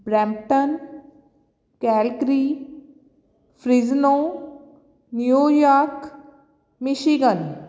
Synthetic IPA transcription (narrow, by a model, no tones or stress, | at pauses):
bɾɛːmʈən | kɛːlkɾiː | pʰɾiznõː | njujaːɾk | mɪʃiɡən